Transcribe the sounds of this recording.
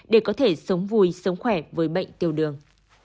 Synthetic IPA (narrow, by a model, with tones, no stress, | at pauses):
ɗe˧˩kɔ˨˦t̪ʰe˧˩sə˨˦wŋ͡mvu˨˩jsə˨˦wŋ͡mxwɛ˧˩vəː˨˦jɓə̰˧˨jŋ̟t̪i˨˩əwɗɨ˨˩əŋ